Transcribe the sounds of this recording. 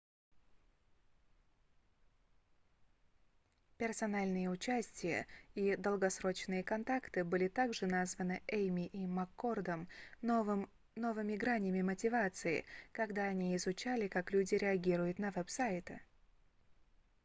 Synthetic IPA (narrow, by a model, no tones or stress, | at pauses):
pʲɪrsɐnalʲnɨjəʊt͡ɕæsʲtʲɪjə̰id̪əlˠɡɐsɾo̞t͡ɕnɨjəkɐnt̪akt̪ɨbɨlʲɪt̪aɡʐɨnazvənɨʔejmʲɪʔimɐkːo̞rd̪əm | m | no̞vɨmʲɪɡɾanʲəmʲɪmətʲɪvat̪sɨɪ̰kɐɡd̪aɐnʲiɪzʊt͡ɕælʲɪkaklʲudʲɪɾʲɪɐɡʲiɾʊjʊt̪nɐvɛpsajɪt̪ɨ̰